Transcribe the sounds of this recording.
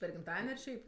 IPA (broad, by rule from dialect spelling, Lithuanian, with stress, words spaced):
pʲɛr ɡʲɪmˈtɑːdʲɛnʲ ɐr ˈʃʲɛɪp